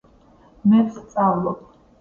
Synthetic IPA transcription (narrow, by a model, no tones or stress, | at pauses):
mɛɾst̪sʼavlˠɔp̚ʰ